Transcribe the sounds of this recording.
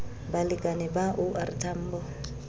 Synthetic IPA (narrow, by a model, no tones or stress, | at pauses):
balɪkʼanɪbaʔʊʔartʰam̩ːbɔ